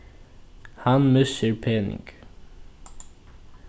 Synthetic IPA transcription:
hɑnmʉsəɹpʰeːnɪ̰ŋɡ̥

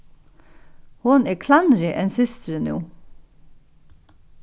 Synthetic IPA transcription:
hʊneːkʰlɑnɾɪʔɛnsɪst̪ɾənṵː

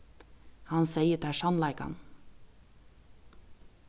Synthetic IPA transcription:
hɑnseɪət̪ʰæʃɑnlɑɪkɑ̰n

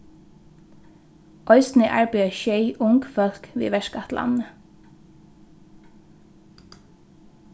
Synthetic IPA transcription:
ʔɔʏsn̩əʔɑ̰ɹbʏːəçœɪʔʊŋkfœlkʋḭːʋɛʃkɑt̪lʔɑ̰nə

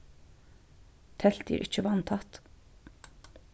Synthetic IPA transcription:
t̪ʰɛl̥t̪jḭːɾʔɪt͡ʃəʋɑnt̪ʰɑt̪

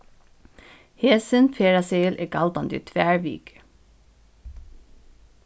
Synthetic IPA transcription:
heːsənfʰeːɹɑseɪlʔḛːɡɑld̪ɑnd̪ḭːt̪ʰʋæːɹʋy̰ːkə̥

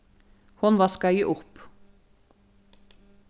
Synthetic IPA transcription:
hʊnʋɑːskɑʏəʔʊp

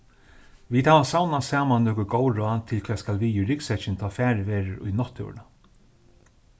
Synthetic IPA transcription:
ʋiːd̪haːʋasawnasaːmanːɔːkʊɡoːwɾʊant̪ʰɪlkʰvɛːskalʋiʏɾɪksɛt͡ʃɪnt̪ʰaːfæːɾʋeːɹəɾʊ̰jnɔht̪ɛ̰wɾna

